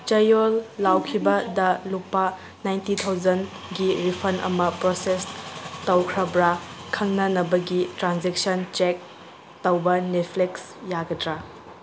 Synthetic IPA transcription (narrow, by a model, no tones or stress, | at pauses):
t͡ʃɐjolːawkʰibɐdɐlupːa | najntitʰawd͡ʒɐn | ɡiɾipʰɐnʔɐ̰mɐpɾosestɐwkʰɾɐbɾakʰɐŋnɐnɐbɐɡitɾanzek̚sɐnt͡ʃek̚ | tɐwbɐnet̚pʰleks | jaɡɐdɾa